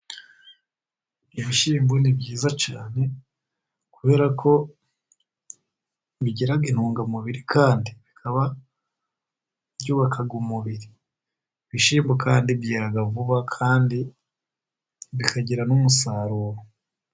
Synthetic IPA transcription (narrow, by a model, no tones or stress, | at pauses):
iβiʃiːmbonibɟiːzat͡ʃaːne̞ | kuβe̞ːɾakʰo̞ | βiɟeɾaɡinhuːŋɡamuβiɾikʰaːndiβikʰaβa | bjuːβakʰaɡumuβiɾi | βiʃiːmbokʰaːndibjiːɾaɡavuβakʰaːndi | βikʰaɟiɾanumusaɾuːɾo